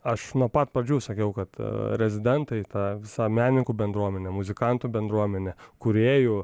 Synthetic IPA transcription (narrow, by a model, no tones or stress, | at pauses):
ɐʃnuɔpɐt̪̚pɾɐd͡ʒʲuːsɐkʲɛʊkɐt̪ɾʲɛzʲɪd̪ʲɛnt̪ɐɪt̪ɑːʋʲɪsɑːmʲæːnʲɪŋkuːbʲɛnd̪ɾuɔmʲɛnʲɛmʊzʲɪkɑnt̪uːbʲɛnd̪ɾuɔmʲɛnʲɛkʊɾʲeːjʊ